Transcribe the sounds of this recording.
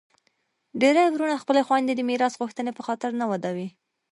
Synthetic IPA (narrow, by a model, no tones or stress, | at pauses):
ɖeɾəjwɾuɳaxpəlexwand̪ed̪əmiɾɑsɣuxt̪ənepəxɑt̪ɪɾnawad̪awi